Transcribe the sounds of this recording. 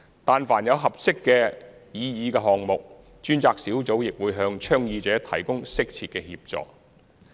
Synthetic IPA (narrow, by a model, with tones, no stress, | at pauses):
t̪aː˨nfaː˨˩njɐ˨˧wɦɐ˨p̚sɪ˥kːɛː˧jiː˨˧jiː˨˧kɛː˧ɦɔː˨˩ŋmʊ˨k̚ | t͡ʃyː˥nt͡saː˧k̚siː˨˥wt͡so˨˥wjɪ˨k̚wuː˨˧˥jɦœː˧ŋt͡ʃʰœː˥ŋjiː˧t͡sɛː˨˥t̪ʰɐ˨˩jkʊ˥ŋsɪ˥k̚t͡sʰiː˨t̚kɛː˧hḭː˧p̚t͡sɔ̰ː˨k̚